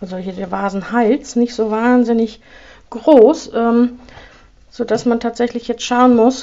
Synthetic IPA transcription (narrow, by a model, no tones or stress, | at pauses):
zɔlçədɛɐvaːzn̩halt͡snɪçtz̥oːvaːnzɪnɪç | ɡ̥ʁoːsʔɛːm | z̥oːdasmantʰaːtz̥ɛçlɪçjɛt͡stʃaʊənmʊs